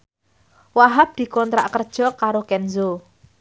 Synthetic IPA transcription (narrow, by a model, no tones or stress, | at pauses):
waɦap̚d̪̥i̤kɔnt̪ɾaʔkərd̥ʒ̥ɔ̤kaɾokɛnzo